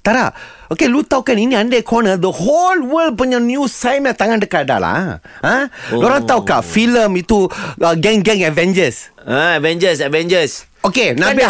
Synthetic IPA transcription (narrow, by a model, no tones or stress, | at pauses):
t̪aɾaʔ | okelut̪aukaninĩandakʰonəd̪əholwəld̚puɲãnjũsajmat̪aŋãndəkada̰la̰ | ãləoɾaŋt̪aukafiləmit̪uəɡɛ̃ŋɡɛ̃ŋɛvɛ̃nd͡ʒəsaɛvɛ̃nd͡ʒəsɛvɛ̃nd͡ʒəs | okenabi